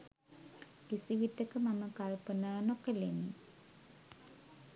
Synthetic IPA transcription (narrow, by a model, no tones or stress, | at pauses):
kisiʋitːəkəmaməkalpənaːnokəleni